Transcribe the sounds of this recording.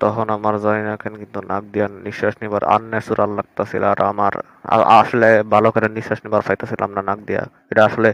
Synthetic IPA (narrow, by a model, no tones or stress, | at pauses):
t̪ɔɦonamaɾzainakʰenkint̪unak̚d̪ijanːiʃaʃnibaɾa̰nːesuɾalːaɡ̚t̪asilaaɾa̰maɾ | a̰a̰ʃolebʱalokaɾeniʃːaʃnibaɾfʰajt̪asilaamɾanak̚d̪ija̰ | eʈaaʃole